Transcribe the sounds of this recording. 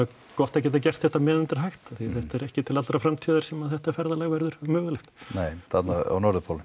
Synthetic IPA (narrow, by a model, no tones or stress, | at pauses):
kɔht̪ac̬ɛːt̪̬acɛr̥t̪θɛht̪amɛːðʏnt̪ɪɾ̥ɦajxt̪aθiθɛht̪ɛɾɛhcɪt̪ʰɪlat̪ɾafɾamt̪ʰiðaɾ̥sɛmaðθɛht̪afɛɾðalaɣvɛɾðʏɾ̥mœːɣʏlɛxt̪neːjθat̪naa̰wnɔɾðʏpʰowlɪm